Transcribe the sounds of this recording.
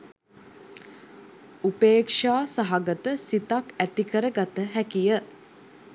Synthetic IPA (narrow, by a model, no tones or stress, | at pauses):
upeːkʂaːsaɦaɡət̪əsit̪akæt̪ikəɾəɡat̪əɦækijə